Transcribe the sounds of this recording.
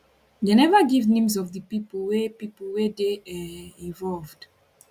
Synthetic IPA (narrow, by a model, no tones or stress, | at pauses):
denɛvaɡivnẽmzɔvdəpipəl̩wepipəlwedeaĩnvɔlvd̥